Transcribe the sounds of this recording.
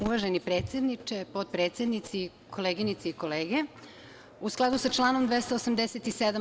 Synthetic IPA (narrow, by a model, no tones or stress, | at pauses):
uʋaʒenipɾe̞ːt̪sʲe̞d̪nit͡ʃepo̞d̪̚pɾet̪sjed̪nit̪si | kʰo̞leɡinit̪seiko̞leːɡe | usklˠad̪usat͡ʃlˠaːnomd̪ʋest̪oosamd̪eset̪ised̪a